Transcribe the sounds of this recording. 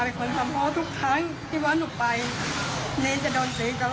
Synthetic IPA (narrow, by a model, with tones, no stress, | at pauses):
a˧˩kʰo˧nt̪ʰa˧mɦɔː˧˥˨t̪ʰu˦˥k̚t̪ʰaː˧˥˨ŋ | t̪ʰiː˧˥˩waː˧˥˨nu˧˨˩k̚pa˧j | neː˧˥˨nt͡ɕa˧˩dɔː˨˧nseː˨˦ka˧˩